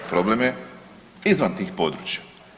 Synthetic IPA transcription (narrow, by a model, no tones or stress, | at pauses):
pɾoblemje | izʋant̪iːxpo̞ːd̪ɾuːt͡ʃjḁ